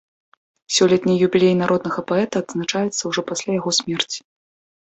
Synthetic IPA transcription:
sʲɔlʲɛt̪ʲnʲijubʲilʲejnaɾɔd̪nɐɣɐpaɛt̪ɐɐːd̪znat͡ʂajɛt̪sːɐwʐɔpasʲlʲajaɣɔsʲmʲɛrt͡sʲi̥

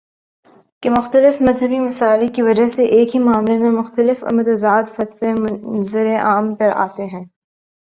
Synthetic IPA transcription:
kemʊxt̪əlɪfmɐzɦəbimɐsaːlikiʋɐd͡ʒaseʔeːkɦimʊaːmlemẽmʊxt̪əlɪfɐ̰məd̪zaːd̪fɐt̪ʋemʊzɪɾeʔaːmpɐɾa̰ːt̪eɦɛ̃ː

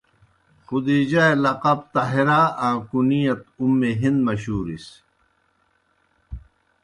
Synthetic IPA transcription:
xud̪id͡ʑaelɐqɐb̚t̪ɐɦeɾaːãːkunijɐt̪umːeɦind̪mɐɕuːɾis

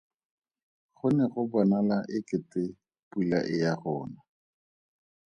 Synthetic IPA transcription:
χʊnɛχʊbɔnalaʔɪkɪtʼɪ | pula̰ʔɪjaχɔːna

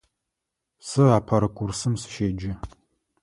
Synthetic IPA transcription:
sɨaːpʰɐɾɨkʷʼʊrsɨmsɨ̥ʃeːd͡ʒɪ

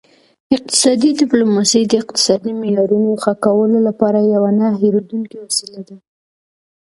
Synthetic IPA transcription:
ɪq̚t̪ɪ̥sɑd̪id̪ɪplomɑsəjd̪əɪq̚t̪ɪ̥sɑd̪imɪjɑɾunoxakawəlolapɑɾajawanaɦeɾod̪uŋkewasilad̪a

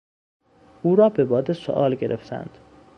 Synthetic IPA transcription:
uːɾɒːbe̞bɒːd̪eso̰ʔɒ̰ːlɟe̞ɾʔeft̪ʰæ̰nd̪̥

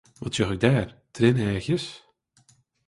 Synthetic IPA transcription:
ʋɔtsøχɪɡ̚daːrtʰrɪnɛːxjəs

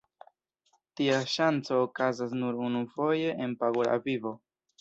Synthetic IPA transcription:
tiaʃant͡so̞ːkazas̬nuɾunufo̞je̞ʔenpaɡola̰vivo̞

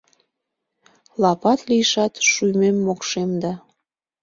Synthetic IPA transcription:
lɑpɑt̪lijʃɑt̪ʃymemːokʃemd̪ɑ

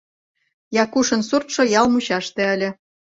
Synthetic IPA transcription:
jɑkuʃɤ̆nsurt̪ʃŏjɑlˠmuɕɑʃt̪ĕəlʲɘ̆

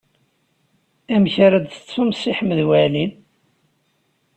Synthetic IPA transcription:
æmçaɾæd̪θə̥t͡sːumsiħmːəðwælin

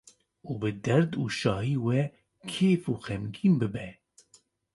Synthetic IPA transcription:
uːbɨd̪ɛɾd̪uːʃɑːɦiːwɛ | kʰeːfuːxɛmɡiːnbɨbɛ

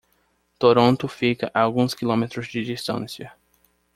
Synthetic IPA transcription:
t̪oɾõnt̪ʊfikɐʔaawɡũskilõmet̪ɾʊzd͡ʒɪd͡ʒist̪ɐ̰̃sjɐ

